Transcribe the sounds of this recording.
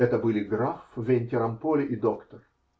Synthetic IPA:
ɛt̪əbɨlʲɪɡɾafvʲenʲt̪ʲɪɾɐmpolʲɪʔid̪okt̪ər

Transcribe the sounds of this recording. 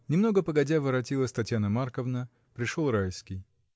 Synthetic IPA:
nʲɪmno̞ɡəpəɡɐdʲavɨɾɐt̬ʲilˠəsʲt̪ɐtʲjanəmarkəvnə | pɾʲɪʂolˠɾajskʲij

